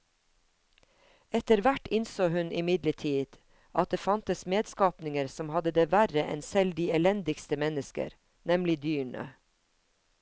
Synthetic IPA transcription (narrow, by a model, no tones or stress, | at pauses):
ɛt̪əɾʋæʈɪnsoːhʉnʔɪmɪd̪ləʈʰiːd̪̥ | ʔɑt̪̚d̪eːfɑnt̪əsmeːd̪skɑːpnɪŋəɾsɔmhɑd̪əd̪eːʋæɾəʔɛ̰nsɛld̪iːɛlɛnd̪ɪkst̪əmɛnəskə̰ɾ | nɛmlɪd̪yːɳə̰